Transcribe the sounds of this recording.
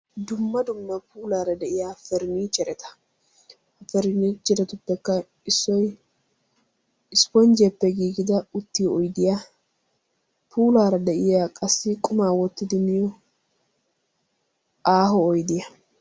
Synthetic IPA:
d̪ʊmːɐd̪ʊmːɐpuːlaːɾɐd̪ɛʔɪjaːfɛɾɪniːt͡ʃʼːɛɾɛt̪ɐ̥ | fɛɾniːt͡ʃʼːɛɾɛt̪ʊpːɛkːɐ | ɪsːɔj | ɪspɔnd͡ʒɛpːɛɡiːɡɪd̪ɐʊt̪ːɪjɔɔjd̪ɪja | pʰuːlaːɾɐd̪ɛʔɪjaːkʼɐsːɪkʼʊmaːwɔt̪ːɪd̪ɪmɪjɔ | aːɦɔːjd̪ɪjɐ

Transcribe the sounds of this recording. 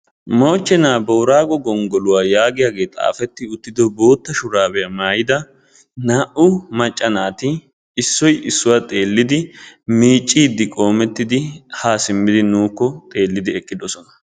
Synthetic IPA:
mo̞ːt͡ʃːɛnaːbo̞ːɾaːɡɔɡɔŋɡɔlʊwaːjaːɡɪjaːɡe̞ːt̪ʼa̰ːfɛt̪ːɪʊt̪ːɪd̪ɔbo̞ːt̪ːɐʃʊɾaːbɛjɐmaːjɪd̪ɐ | naːʔʊmɐt͡ʃʼːɐnaːt̪ɪ | ɪsːɔjɪsːʊwat̪ʼe̞ːlːɪd̪ɪmiːt͡ʃʼːiːd̪ːɪkʼo̞ːmɛt̪ːɪd̪ɪhaːsɪmːɪd̪ɪnuːkːɔt̪ʼe̞ːlːɪd̪ɪɛkʼːɪd̪ɔsɔnɐ̥

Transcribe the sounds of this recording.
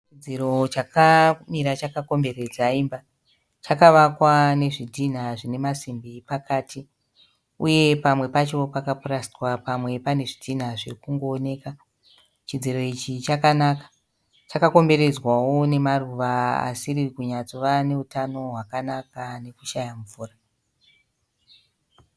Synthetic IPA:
t͡ʃid͡ziɾo̞t͡ʃakamiɾat͡ʃakako̞mbe̞ɾe̞d͡zaimba | t͡ʃakaʋakwane̞ʐidʱin̤aʐine̞masimbipakaːtʰi | uje̞pamwe̞pat͡ʃo̞pakapurasiwapamwe̞pane̞ʐidʱin̤aʐekuŋɡo̞ːne̞ːka | t͡ʃid͡ziɾo̞it͡ʃit͡ʃakanakḁ | t͡ʃakako̞mbe̞ɾe̞d͡zwawo̞ne̞maruʋaa̰sirikuɲat͡soʋane̞utano̞ɦwakanakane̞kuʃajamufuːra

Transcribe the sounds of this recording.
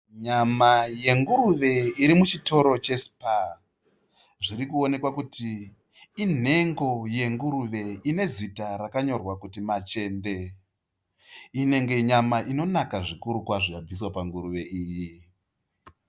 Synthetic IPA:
ɲamaje̞ŋɡuɾuʋe̞iɾimut͡ʃito̞ɾo̞t͡ʃe̞si̥pa | ʐiɾikuo̞ne̞kwakuti | in̤e̞ŋɡo̞je̞ŋɡuɾuʋe̞ine̞zitaɾakaɲo̞rwakutimat͡ʃe̞nde̞ | ine̞ŋɡe̞ɲamaʔino̞nakaʐikuɾukwaʐikab͡vis̬wapaŋɡuɾuʋe̞ʔiːji

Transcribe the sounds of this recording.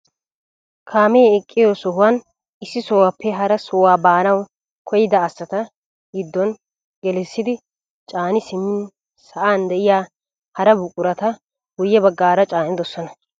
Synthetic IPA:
kʰaːmejɛkʼːɪjoːsɔɦʊwan | ɪsːɪsɔwapʰːɛɦɐɾɐsɔwaːbaːnɐw | kʰɔjɪd̪ɐːsːɐt̪ɐ | ɡɪd̪ːɔn | ɡɛlɛsːɪd̪ɪ | t͡ʃʼaːnɪsɪmːɪn | sɐʔaːnd̪ɛʔɪjaː | hɐɾɐbʊkʼʊɾɐt̪ɐ | ɡʊjːɛbɐɡːaːɾɐt͡ʃʼaːnɪd̪ɔsɔnɐ

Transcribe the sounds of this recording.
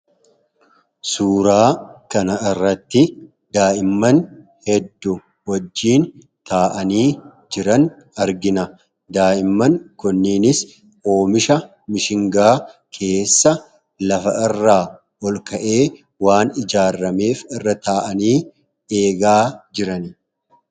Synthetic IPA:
suːɾaːkɐnɐɪrːɐt̪ːɪ | d̪aːʔɪmːɐn | hɛd̪ːʊ | wɐd͡ʒːiːn | t̪ʰaːʔɐniː | d͡ʒɪɾɐn | ɐɾɡɪnɐ | d̪aːʔɪmːɐŋkʊnːiːnɪs | o̞ːmɪʃɐ | mɪʃɪŋɡaːkʰe̞ːsːɐ | lɐfɐʔɪrːaː | ɔlkɐʔe̞ː | waːnɪd͡ʒaːrːɐme̞ːfɪrːɐt̪aːʔɐniː | e̞ːɡaːd͡ʒɪɾɐn

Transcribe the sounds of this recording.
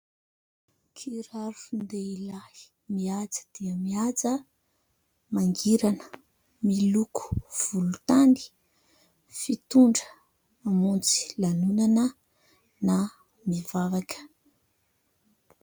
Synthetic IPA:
kʰiɾaɾuund̪eilḁ | miad͡zə̥d̪̥iəmiad͡zə | maŋɡiɾanə̥ | miluku̥v̥ulut̪ani̥ | fit̪uɳɖ͡ʐəː | munt͡si̥lanunanə | na | mivavakə̥

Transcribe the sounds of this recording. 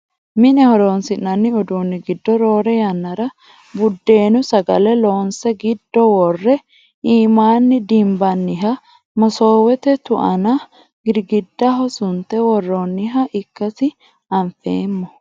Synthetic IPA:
mɪnɛhɔɾo̞ːnsɪnːɐnːɪʊd̪uːnːɪɡɪd̪ːɔɾo̞ːɾɛjɐnːɐɾɐ | bʊd̪ːe̞ːnʊsɐɡɐlɛlo̞ːnsɛɡɪd̪ːɔwɔrːɛ | iːmaːnːɪd̪ɪmbɐnːɪɦɐ | mɐsoːwɛt̪ɛt̪ʊʔɐnɐ | ɡɪɾɡɪd̪ːɐɦɔsʊnt̪ːɛwɔrːoːnːɪɦɐʔɪkːɐsɪ | ɐɱfeːmːɔ

